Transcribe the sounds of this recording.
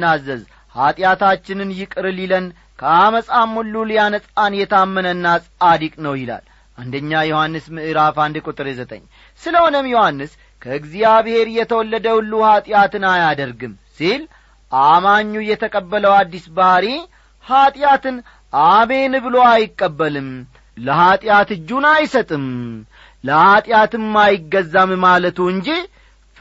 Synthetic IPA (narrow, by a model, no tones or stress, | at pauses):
azːəz | hat̪ʼjat̪at͡ʃːɪnɨnjɪkʼɨɾɨlilən | kʰəaməsʼamːulːuljanəsʼanjɛt̪ʰamːənənːasʼad̪ikʼnəwjɪla̰l | ʔand̪əɲːajohanːɨsmɨʔɨɾafand̪ɨkʼut̪ʼɨɾezət̪ʼə̰ɲː | sɨləonəmjohanːɨs | kʰəɨɡzijaβhe̞ɾjɛt̪ʰəwɔlːəd̪əwlːuhat̪ʼjat̪ɨnajad̪əɾɡɨmsil | ʔamaɲːujɛt̪ʰəkʼəbːələwad̪ːisbəhɾi | hat̪ʼjat̪ɨn | ʔame̞nɨbɨlo̞ajɪkʼːəbːəlɨm | ləɦat̪ʼɪjat̪ɨd͡ʒːunajsət̪ʼɨm | ləhat̪ʼɪjat̪ɨmːajɪɡːəzːammalət̪uɨɲd͡ʒi